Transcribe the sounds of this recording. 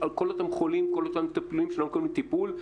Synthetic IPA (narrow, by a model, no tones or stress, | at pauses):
alko̞lot̪amχolimkolot̪amt̪apluimʃelomkoimlit̪ipul